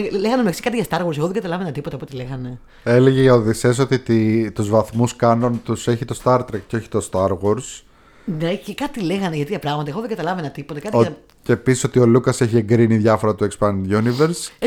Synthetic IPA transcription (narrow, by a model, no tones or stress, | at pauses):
leɣɐnemeksi̥kɐt̪iʝɐst̪ɐɾɣwoɾseɣoðeɡɐt̪ɐlɐvenɐt̪ipot̪ɐpot̪ileɣɐne̞ | e̞leʝeoðises̬o̞t̪it̪it̪uzvɐθmuskɐnont̪use̞çit̪o̞st̪ɐɾt̪ɾek̚co̞çi̥t̪o̞st̪ɐɾɣo̞ɾs | necekɐt̪ile̞ɣɐneʝɐt̪iɐpɾɐɣmɐt̪ɐeɣoðeɡɐt̪ɐlɐvenɐt̪ipot̪ɐkɐt̪ioɐ | ceːpisi̥so̞t̪io̞lukɐse̞çie̞ŋɡɾiniðʝɐfo̞ɾɐt̪uekspɐnʝuniveɾs